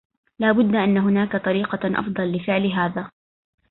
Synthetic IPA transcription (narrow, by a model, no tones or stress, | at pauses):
laːbʊd̪ːaʔanːaɦʊnaːkat̪ˤɑɾiːqɑʔɑ̰fd̪ˤɑlːɪfɪʕlɦaːðaː